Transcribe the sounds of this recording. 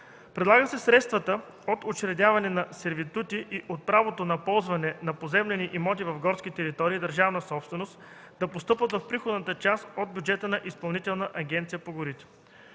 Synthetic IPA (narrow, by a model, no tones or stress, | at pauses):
pɾɛd̪lˠaɡəsɛsɾɛt̪st̪vɐt̪ə | ot̪ot͡ʃɾɛd̪ʲavɐnɛnɐsɛɾvit̪ut̪iʔiʔot̪̚pɾavot̪onɐpɔlˠzvɐnɛnɐpozɛmlɛniʔimɔt̪̬ivɐvɡɔɾskʲit̪ɛɾit̪ɔɾiːd̪ɐɾʒavnəsɔpst̪vɛnost̪ | d̪ɐpost̪ɤpvət̪vɐfpɾixod̪nət̪ət͡ʃast̪od̪̚bʲjud͡ʒɛt̪ənɐʔispɐlˠnit̪ɛlˠnəʔɐɡʲɛnt̪sijəpoɡʊɾit̪ɛ̥